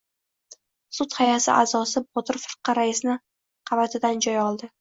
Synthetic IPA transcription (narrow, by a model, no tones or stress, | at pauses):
sʊt̪hajasɪʔa̰zɒsɪbɒt̪ʰɪɾfɪɾqʰɑɾaɪsnɪ | qʰɑvat̪ʰɪd̪and͡ʒɒjɒlˠd̪ɪ